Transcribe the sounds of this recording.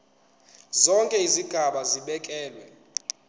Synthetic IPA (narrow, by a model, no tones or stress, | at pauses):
zɔŋkʼɛiziɡ̥ʱaɓaziɓɛkʼɛːlwɛ